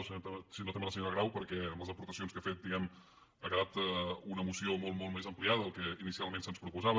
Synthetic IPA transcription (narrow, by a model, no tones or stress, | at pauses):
siot̪esinot̪emənəsəɲoɾəɣɾawpəɾkɛəmləzəpuɾt̪əsionskəfet̪̚d̪iɣɛm | akəðat̪ɛunəmusiomolˠmolˠmezəmpliaðəːlˠkɛinisialˠmẽnsənspɾupuzaβə